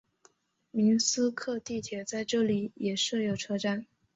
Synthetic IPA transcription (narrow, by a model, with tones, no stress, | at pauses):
mi˧˥nsɹ̩˥kʰɤ˥˧t̪i˥˩t̪ʰjɛ˨˩t͡sa˥˧ɪʈ͡ʂɤ˥˩li˨˩˦jɛ˨˩ʂɤ˥˩jo˨˩ʊʈ͡ʂʰɤ˥ʈ͡ʂa˥˩n